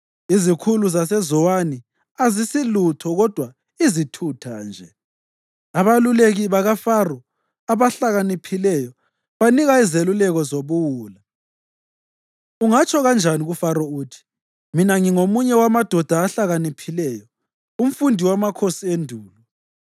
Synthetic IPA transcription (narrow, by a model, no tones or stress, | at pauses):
izikʰuluzas̬ɛzɔwani | azisilutʰɔɣɔd̥ʱwa | izitʰutʰaːnd͡ʒʱɛ | aβaluleɣiβaɣafarɔ | aβaɬaɣanipʰilɛjɔ | βaniɣaizelulɛɣɔzoβuwuːla | uŋat͡ʃʰʼɔɣand͡ʒʱaniɣufaɾɔuːtʰi̥ | minaŋiŋomuɲɛwamad̥ʱɔd̥ʱaːɬaɣanipʰilɛjɔ | um̩fundʱiwamakʰosiendʱuːlu